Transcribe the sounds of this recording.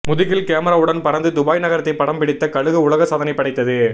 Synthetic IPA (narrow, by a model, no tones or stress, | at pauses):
mʊðɪɣɪlkeːmɐɾaːɯɽɐnpɐɾɐnd̪ɯd̪ʊbaːjnɐɣɐɾɐt̪ːɐɪpːɐɽɐmpɪɽɪt̪ːɐkɐɻɯɣɯʊɭɐɣɐsɐːðɐnɐɪpːɐɽɐɪt̪ːɐðɯ